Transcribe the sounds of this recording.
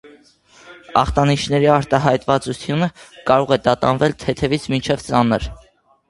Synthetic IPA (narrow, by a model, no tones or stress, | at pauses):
ɑ̰χt̪ɑniʃʰnɛɾiɑɾt̪ɑɦɑjt̪vɑt͡sut͡sʰjunəkɑɾɔʁɛd̪ɑt̪ɑnvɛlt̪ʰɛt̪ʰɛvit͡sʰmint͡ʃʰɛvt͡sɑnəɾ